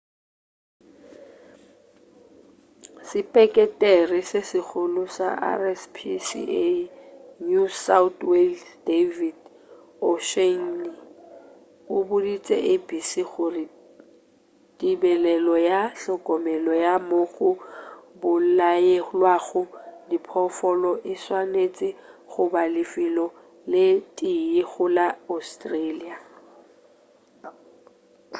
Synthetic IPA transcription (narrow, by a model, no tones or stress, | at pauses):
sɪpʼɛkʼɛtʼɛrɪsesɪɣʰʊlʊsa̰a̰rɛspʰisḭe | nusatweldevid | ɔʃen̩ni | ʊbʊdit͡sʼɛ̰ʔebisiɣʊrɪ | dibɛlɛlɔjaɬɔkʼɔmɛlɔjamoɣʊbʊlaelwaɣʊdipʰɔfɔlɔʔɪswanet͡sʼɪɣʊbalɪfilɔ | lɪtʼiɪɣʊlaostʼrelia